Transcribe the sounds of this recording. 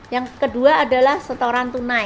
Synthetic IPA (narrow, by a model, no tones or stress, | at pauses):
jaŋkəduaːdalahsət̪oɾant̪una